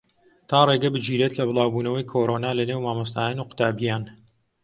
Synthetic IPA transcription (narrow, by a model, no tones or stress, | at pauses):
t̪ʰaːreɡɐbɨd͡ʒiːɾeːt̪lɐbɨlˠɑːwbuːnɐwɐjkʰoːɾonaːlɐnewmaːmɐs̬t̪aːjaːnuqʊ̥t̪aːbijaːn